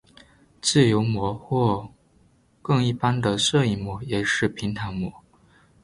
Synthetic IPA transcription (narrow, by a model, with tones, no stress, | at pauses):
t͡sɹ̩˥˩jo˧˥ʊmwɔ˧˥xwɔ˥˩ | kɤ˥˧ŋi˥˩pa˥nd̪ə˨sɤ˥˧i˥˩mwɔ˧˥˦jɛ˨˩ʂɻ̩˥˩pʰi˧˥ŋt̪ʰa˧˥ŋmwɔ˧˥˦